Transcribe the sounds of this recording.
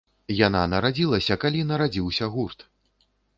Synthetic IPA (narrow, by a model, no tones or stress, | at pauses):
jananɐɾad͡zʲilˠɐsʲɐkalʲinɐɾad͡zʲiwsʲɐɣurt̪